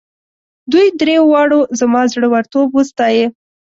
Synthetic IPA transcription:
d̪ujd̪ɾewɑɽozamɑzɽəwaɾt̪obust̪ɑje

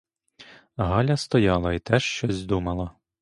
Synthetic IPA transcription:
ɦɑlʲɐst̪ɔjɑlˠɐit̪ɛʃt͡ʃɔzʲd̪umɐlˠɐ

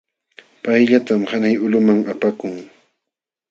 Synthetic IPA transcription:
pajʎat̪amhanajʊlʊmaŋapakʊŋ

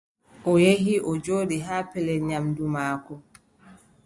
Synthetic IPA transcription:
ʔɔjeɦiʔɔd͡ʒoːdiɦaːpɛlɛɲamdumaːkɔ

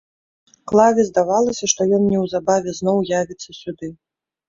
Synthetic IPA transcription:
klˠavʲɛzd̪avalˠɐsʲɐʂt̪ɔjɔnnʲɛwzabavʲɛznɔwjavʲit̪sːɐsʲud̪ɨ

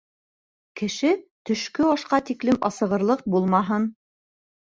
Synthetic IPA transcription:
kɘ̆ʃɘt̪ɵ̆ʃkɵɑʃqɑt̪iklɘmɑ̰sɤ̆ʁɤ̆ɾlˠɤq̚bulˠmɑɦɤn

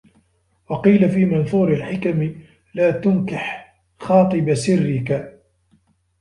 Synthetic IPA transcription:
wɑqiːlafiːmɑnθˤuːɾalħɪkamɪ | laːt̪ʊnkɪħ | xɑːt̪ˤɨbsɪrːɪka

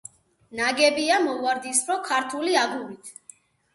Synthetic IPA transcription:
naɡɛbiamɔvaɾd̪ispɾɔkʰaɾt̪ʰuliaɡuɾit̪ʰ

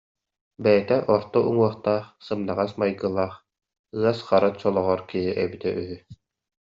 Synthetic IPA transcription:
bɛjɛt̪ɛʔɔɾt̪ɔʔuŋuɔχt̪aːχsɯmnaʁasmajɡɯlˠaːχ | ɯɐsχaɾat͡ɕɔlˠɔʁɔɾkiɦiʔɛbit̪ɛʔyɦy

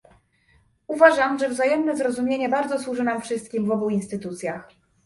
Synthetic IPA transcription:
uvaʐamʐɛvzajɛmnɛzɾɔzumʲjeɲɛbaɾd̪zɔswuʐɘnamfʂɘst̪̚kʲimvɔbuinst̪ɘt̪ut̪sʲjax

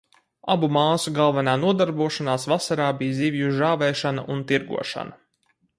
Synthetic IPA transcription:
a̰bumaːsuɡalˠvɛnaːnuɔd̪aɾbuɔʃanaːsvasaɾaːbijziːvjuʒaːvɛːʃana̰ʔunt̪iɾɡṵɔʃa̰na

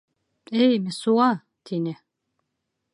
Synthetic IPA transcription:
ɛjmɛsua | t̪ʰinɛ

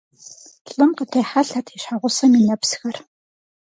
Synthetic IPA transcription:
tɮʼɨmqət̪ʰeːħaɬat̪ʰiʃħaʁʷʊsɐminɐpsxɐr

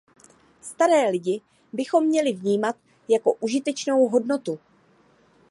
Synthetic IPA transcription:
st̪aɾɛːlɪɟɪ | bɪxo̞mːɲɛlɪvɲiːmat̪ | jako̞ʔuʒɪt̪ɛt͡ʃno̞wɦo̞dno̞t̪u

